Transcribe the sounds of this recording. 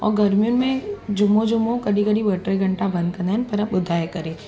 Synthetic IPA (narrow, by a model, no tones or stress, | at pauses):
ɔ̰ːɾɡɐɾmijunmẽd͡ʒʊmːod͡ʒʊmːokɐɽikəɽiʋɐʈɾeɡʱɐ̃ɳʈabɐ̃nd̪̚kɐɾnɦɛnpɐɾapʊd̪ʱaːjkɐɾẽː